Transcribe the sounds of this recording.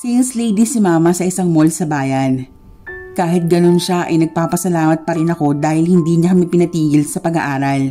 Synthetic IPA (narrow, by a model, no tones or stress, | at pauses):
sinslejd̪isɪmaːmɐsɐʔɪsaŋmolsɐbaːjɐn | kaːɦɪt̪̚ɡɐno̞nʃaʔɐ̰jnɐɡ̚paːpɐsɐlaːmɐt̪̚pɐɾɪnɐko̞d̪aːhɪlhɪnd̪iːɲɐkɐmɪpɪnɐt̪iːɡɪlsɐpɐɡɐʔaːɾɐl